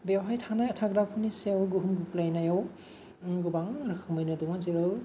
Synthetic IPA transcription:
beawɦajtʰanajtʰaɡɾapʰunisijawɡuɦunɡuklajnajaw | ɡubaŋɾɯkʰɯmɯjnɯdumaziɾɯw

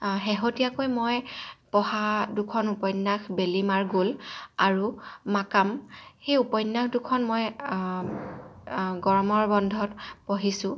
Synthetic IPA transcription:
ɦɛɦotijakojmojpɔhadukʰɔnupɔjnːaxbelimaɹɡolaɹuːakamxejupɔjnːakdukʰɔnmoj | ɡɔɹmɔɹbɔndʱɔtpɔɦisʊ̃

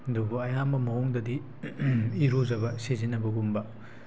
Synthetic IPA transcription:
dubuɐjambɐmɐɔŋdɐdi | iɾozɐbɐsezinːɐbɐɡumbɐ

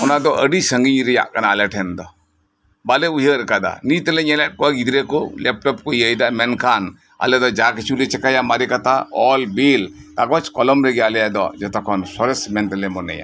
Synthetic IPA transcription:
ʊnad̪ɔʔəɖisəŋɡiɾija̰ʔkanaalɛʈʰɛnd̪ɔ | baleujəɾkad̪a̰nit̪əleɲɛlɛʈ̚kɔɡid̪ɾekolɛp̚ʈɔpkoiəjd̪amɛnkʰan | a̰led̪ɔd͡ʒaːkit͡ʃʰulit͡ʃɛkajamaɾikat̪aɔlbiːlt̪aɡɔt͡ʃkɔlɔmɾeɡialɛjad̪ɔ̰d͡ʒɛt̪ɔkʰɔnsɔɾɐsmɛnt̪ɐlemɔnɛ̰ja̰

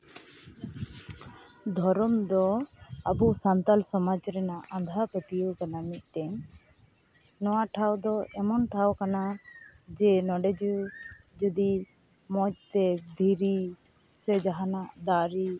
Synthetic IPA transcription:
d̪ʱɔɾɔmd̪ɔabusant̪alsɔmad͡ʒɾɛnaʔãnd̪ʱapɛt̪ijukanamiʔ̪̚ˀt̪ɛɲ | nɔwaʈʰawd̪ɔɛmɔnʈʰawkanad͡ʒɛnɔɖɛd͡ʒud͡ʒɔd̪i | mɔc̚ˀt̪ɛd̪ʱiɾi | sɛd͡ʒaɦanaʔd̪aɾi

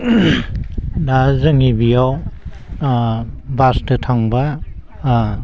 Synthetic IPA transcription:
dazɯŋibijaw | bastɯtʰaŋba

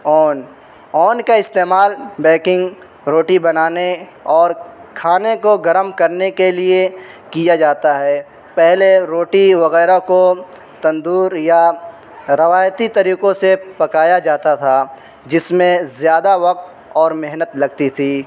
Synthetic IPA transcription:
ɔːn | ɔːnkaɪst̪eːmaːlbɛ̃ːkɪ̃ŋɡ | ɾoːʈibɐnaːne | ɔːɾkʰaːnekoɡɐɾəmkɐɾnekelie | kijad͡ʒaːt̪aɦɛː | pɛɦleɾoːʈiʋɐɣɛːɾako | t̪ɐ̃nd̪uːɾja | ɾɐʋaːjt̪it̪ɐɾiːqõsepɐkaːjad͡ʒaːt̪at̪ʰa | d͡ʒɪsmẽzjaːd̪aʋɐq̚t̪ | ɔːɾmɛɦnət̪lɐɡt̪it̪ʰiː

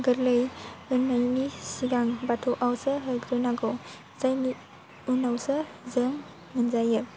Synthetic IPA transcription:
ɡɯɾlɯjɯnajnisiɡaŋbatʰɔʔawsɯɦɯɡɾɯnaɡɔ | z̥ajni | unawsə | zəŋː | ɯnzajɯ

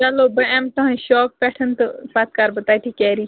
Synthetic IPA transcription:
t͡ʃɐlobɐɛmt̪ɐɦẽʃɔːk̚pɛːʈʰənt̪ɨpat̪kaːɾbɐt̪aːʈʰiːkɛːɾiː

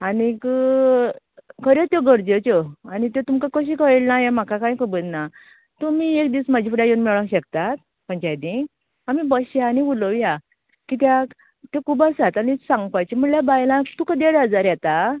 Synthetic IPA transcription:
anik | kʰəɾet̪joɡəɾd͡ʑet͡ɕɔanit̪et̪umkakəɕ̬iːkəɭelnajem̤akakãj̃kəbənna | t̪umiekd̪iːsmad͡ʑifuɽjajenmɛɭãɕəkt̪at̪̚ | pəɲt͡ɕajd̪ĩ | amibəɕjaːniuləʋja | kit̪ja | t̪ekʰuːbəsat̪añisãŋɡpajt͡ɕem̤əɳljabajlãkt̪ukəd̪eɽəd͡zaɾjɛt̪a

